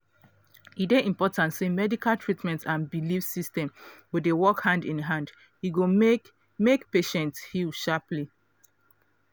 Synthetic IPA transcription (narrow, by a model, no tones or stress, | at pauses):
ideʔĩmpɔtãntsemɛdikʰaltʰɹitmɛ̃ntãnbilifsistɛ̃mwidewɔkhãndĩnɦãnd | jiɡo | mekpeʃɛ̃ntshilʃapli